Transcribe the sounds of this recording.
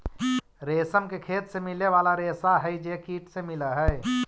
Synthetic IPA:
ɾeːsəmkekʰeːt̪semɪleʋaːlaɾeːsaɦəjd͡ʒekiːʈsemɪləɦəj

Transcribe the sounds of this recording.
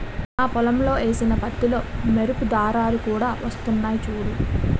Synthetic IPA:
naːpɔlɐmlo̞ːe̞ːsinɐpɐʈ̪ːilo̞ːmeɾupud̪aːɾaːlukuːɽaːʋɐst̪unːaːjit͡ʃuːɽu

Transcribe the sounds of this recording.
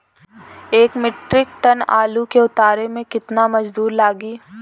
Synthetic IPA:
eːkmɪʈɾɪk̚ʈɐna̰ːlukeʊt̪aːɾemẽkɪt̪namɐd͡ʒd̪uːɾlaːɡiː

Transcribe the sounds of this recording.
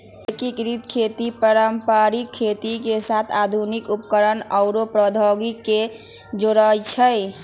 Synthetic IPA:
ekikɾit̪kʰet̪ipəɾəmpaɾikʰːet̪ikesat̪ʰad̪ʱunikupkəɾənəʊɾopɾəd̪ʱəɡikːe | d͡ʒoɾət͡ʃʰəj

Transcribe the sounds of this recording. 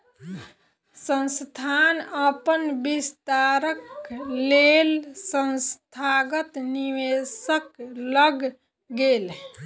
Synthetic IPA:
sə̃nst̪ʰanəpənbist̪aɾəklelsə̃nst̪ʰaɡət̪niʋesəkləɡ | ɡel

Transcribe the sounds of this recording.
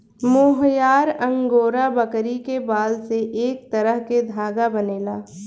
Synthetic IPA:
moːɦjaːɾɐ̃ŋɡoːɾabɐkɾikebaːlseʔeːk̚t̪ɐɾəɦked̪ʱaːɡabɐneːlaː

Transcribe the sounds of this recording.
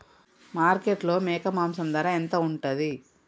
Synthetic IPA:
maːɾkeʈlo̞ːmɛːkɐmaːmsɐmd̪aːɾaːent̪ɐuɳʈɐd̪i

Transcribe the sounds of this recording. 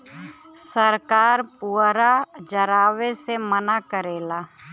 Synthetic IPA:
səɾkaːɾpuːɾad͡ʒəɾaːʋesemənakəɾeːlaː

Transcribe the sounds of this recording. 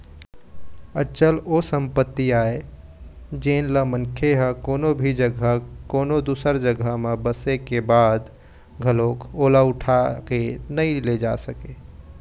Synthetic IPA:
ət͡ʃəlosə̃mpət̪ːiaːe | d͡ʒeːnləmənkʰeɦəkoːnobʱid͡ʒəɡʱəkoːnod̪uːsəɾd͡ʒəɡʱəmebəsekebaːd̪ | ɡʱəloːkoːlaʊʈʰakenəĩled͡ʒa̰səke

